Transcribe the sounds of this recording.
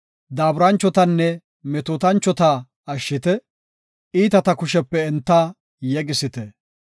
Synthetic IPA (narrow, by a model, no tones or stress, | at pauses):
d̪aːbɾɐnt͡ʃːɔt̪ɐnːɛ | mɛt̪oːt̪ɐnt͡ʃːɔt̪aː | ɐʃːɪt̪ɛ | iːt̪ɐt̪ɐkʊʃɛpːɛːnt̪ːaː | jɛɡɪsɪt̪ɛ